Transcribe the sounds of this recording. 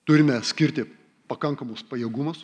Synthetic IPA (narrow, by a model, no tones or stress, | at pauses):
t̪ʊɾʲɪmʲɛsʲkʲɪɾʲt̪ʲɪ | pɐkɐŋkɐmʊspɐjiɛɡʊmɐs